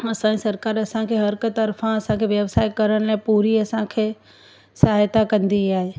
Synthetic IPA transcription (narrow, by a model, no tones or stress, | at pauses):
ɐsãisɐɾkaːɾɐsãkʰeɦɐɾkət̪ɐɾfãɐsãkʰeʋjɐʋsaːjkɐɾəɽ̃laːɪpuːɾiɐsãkʰeː | sɐɦaːjt̪akɐ̃nd̪iaːɦeː